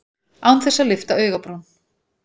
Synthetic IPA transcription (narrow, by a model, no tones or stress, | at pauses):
awnθɛsːalɪft̪aœːɥɣapɾɔwn